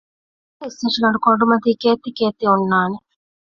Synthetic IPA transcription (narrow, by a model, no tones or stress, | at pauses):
iseʃiɡɐɳɖukoɳɖumɐt̪ikeːt̪ːikeːt̪ːiunːaːne